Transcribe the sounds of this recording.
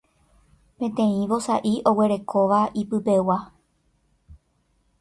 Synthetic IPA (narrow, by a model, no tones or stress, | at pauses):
pẽ̞t̪ẽ̞ĩʋo̞saʔiʔo̞we̞ɾe̞kʰo̞ʋaʔipɨpe̞wa